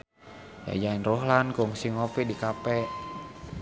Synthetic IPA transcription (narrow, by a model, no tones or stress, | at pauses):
ja̰jainrohlankoŋsiŋɔpiʔdikapɛʔ